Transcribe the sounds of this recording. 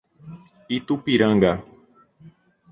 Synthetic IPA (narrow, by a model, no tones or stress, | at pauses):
it̪upiɾãŋɡa